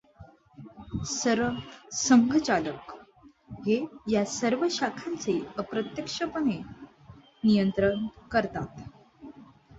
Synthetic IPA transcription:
səɾəsəŋɡʱət͡ɕalək | ɦejasəɾʋəɕakʰãnt͡seəpɾət̪jəkʂəpəne | nijənt̪ɾənkəɾt̪at̪

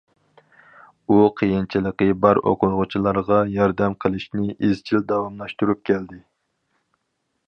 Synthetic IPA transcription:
uqʰəjint͡ʃʰilˠəqəbɑɾo̰qʰʊɾʁʊt͡ʃʰilˠɑɾʁɑjɑɾd̪ɛmqʰəlˠɪʃnɪʔizt͡ʃʰild̪ɑwɑmlˠɑʃt̪uɾup̚kʲʰɛld̪ɪ

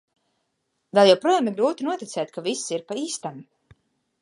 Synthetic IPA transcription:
d̪ɛlˠjawpɾuɔjaːmiɾɡɾuːt̪inuɔt̪it̪sʲɛːjt̪̚ʲkʰavisiɾpaiːst̪am

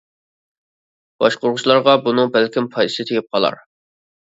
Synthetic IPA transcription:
b̥ɑʃqoɾʁʊt͡ʃlˠɑɾʁɑbunɨŋbælkʲɪmpʰɑj̪ɨ̥sɨt̪ʰekʲɪp̚qʰɑlˠɑ̰ɾ

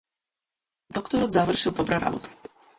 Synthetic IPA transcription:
d̪ɔkt̪ɔɾɔd̪zavr̩ʃild̪ɔbɾaɾa̰vṵt̪

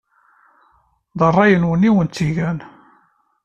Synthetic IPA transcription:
ðˤərˤːɑjənwənːiwənt̪ːiʝæn

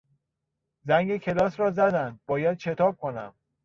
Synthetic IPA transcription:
zæŋɡecʰe̞lɒːsɾɒːzæd̪ænd̪̚bɒːjæd̪̥̚ʃʰe̞t̪ʰɒːb̚kʰonæ̰m

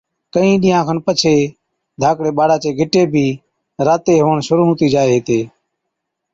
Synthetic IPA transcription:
kəĩːɗiːjãːkʰənpət͡ʃʰeː | d̪ʱaːkɽeːɓaːɽaːt͡ʃeːɡʱɪʈeːbʱiː | ɾaːt̪eːɦoːəɳʃʊɾuːɦʊ̃ːt̪iːd͡ʒaːeːɦeːt̪eː

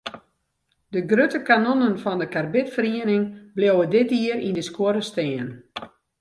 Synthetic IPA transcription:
dəɡrøtəkanonənfɔndəkarbɪtfəriənɪŋbljowədɪtiəɾindəskwoəɾəsteːən

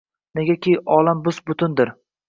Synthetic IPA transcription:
ne̞ɡʲakʲiʔɒlambʊsbʊt̪ʰʊnd̪ɪɾ

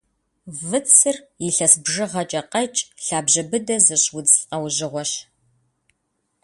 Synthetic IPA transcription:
vɨt͡sʰɨriɬɐsbʒɨʁɐt͡ʃʼɐqɐt͡ʃʼɬaːbʑɐbɨdɐzɨɕwʊd͡zɬʼqʼɐwʒɪʁʷɔɕ

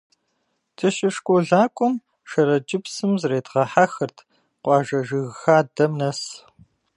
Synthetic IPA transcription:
tʰɨʃɪʂkʷʼoɮaːkʷʼʊm | ʃɐɾɐd͡ʒʼɪpsɨmzreːdʁɐħaxɐrtʰ | qʷɑːʒɐʒɨɣxaːdɐmnɐs

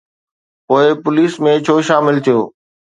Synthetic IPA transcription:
poːɪpʊliːsmẽt͡ɕʰoːʃaːmɪlt̪ʰijoː

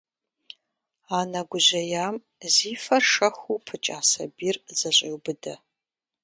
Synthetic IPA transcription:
aːnɐɡʷʊʑɐjaːm | ziːfɐrʂɐxupʰɨt͡ʃʼaːsɐ̰biːrzɐɕʼɪwbɨdɐ

